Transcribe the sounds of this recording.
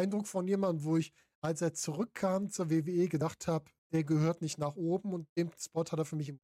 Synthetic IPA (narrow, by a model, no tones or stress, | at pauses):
ɪndʁʊkfɔnjeːmandn̩voːɪç | ʔalseːɐt͡suʁʏkʰːaːmt͡suːɐveːveːeːɡədaχthaːbəd̥eːɐɡəhøːɐtnɪçtnaːχʔoːbm̩ʊnt̚d̥eːmspɔthateːɐfyːɐmɪç̬ɪm